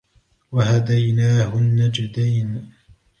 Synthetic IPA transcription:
wahad̪ajnaːhʊnːad͡ʒɪd̪aːn

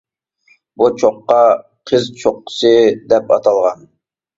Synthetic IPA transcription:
but͡ʃʰoqːɑ | qʰəzt͡ʃʰoqːə̥sɨd̪ɛpɑt̪ʰɑlˠʁɑn

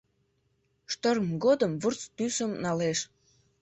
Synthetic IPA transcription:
ʃt̪ərmɡod̪əmvurt͡st̪ysəmnɑleʃ

